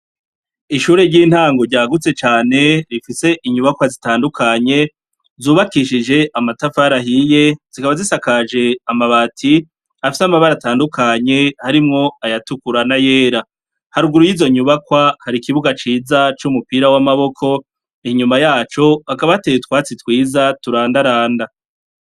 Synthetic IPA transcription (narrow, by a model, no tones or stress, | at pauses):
iʃuːɾe̞ɾɟiːn̥haːŋɡo̞ɾɟaːɡut͡se̞t͡ʃaːne̞ɾifise̞ʔiɲuβakwazitaːndukʰaɲe̞ | zuːβakiʃid͡ʒe̞ʔamatafaɾaɦije̞z̥ikaβazisakad͡ʒe̞amaβatʰi | afisamaβaɾataːndukʰaɲe̞haɾimŋo̞ajatukuɾanaje̞ːɾa | haɾuɡuɾujiːzo̞ɲuβakwahaɾikiβuɡat͡ʃiːzat͡ʃumupiːɾawamaβo̞kʰo̞ | iɲumajaːt͡ʃo̞hakaβaatejetwaːt͡sitwiːzatuɾaːndaɾaːnda